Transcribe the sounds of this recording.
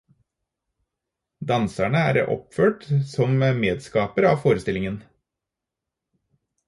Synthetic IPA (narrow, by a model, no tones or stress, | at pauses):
d̪ɑnsæɳəæ̰ːɾɔ̰pføːʈsɔmmeːd̪skɑːpəɾɑːfoːɾəst̪ɪlɪŋən